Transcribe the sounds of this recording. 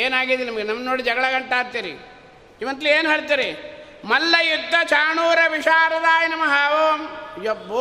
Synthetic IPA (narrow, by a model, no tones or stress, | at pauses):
eːnaːɡid̪enɐmɐɡenɐmnoːɽid͡ʒɐɡɐɭɐɡɐɳʈaːɾt̪iɾḭ | iʋɐnt̪ilieːnuɦeːɭt̪iːɾe | mɐlːɐjud̪ʱːɐt͡ʃaːɳuːɾɐʋiʂaːɾɐd̪aːjɐnɐmɐɦaːʋoːmjobːo